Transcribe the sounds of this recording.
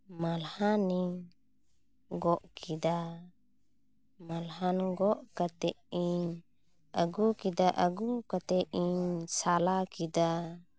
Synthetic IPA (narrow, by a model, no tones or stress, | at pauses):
malhani | ɡɔʔkʰid̪a | malɦanɡɔʔkat̪ɛ | i | əɡukid̪aʔəɡukat̪ɛisalakid̪a